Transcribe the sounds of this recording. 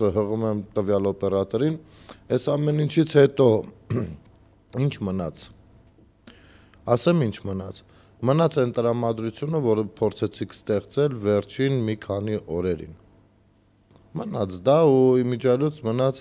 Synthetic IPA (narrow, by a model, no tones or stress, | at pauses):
ɦəʁumɛmt̪əvjɑlɔpɛrɑt̪ɔɾinɛsɑmɛnint͡ʃʰit͡sʰhɛt̪ɔ | int͡ʃʰmənɑt͡sʰ | ɑsɛmint͡ʃʰmənɑt͡sʰ | mənɑt͡sʰɛnt̪əɾɑmɑd̪ɾut͡sʰjunəvɔɾəpʰɔɾt͡sʰɛt͡sʰikʰst̪ɛχt͡sɛlvɛɾt͡ʃʰinmikʰɑniʔɔɾɛɾḭn | mənɑt͡sʰd̪ɑuimid͡ʒɑlut͡sʰmənɑt͡sʰ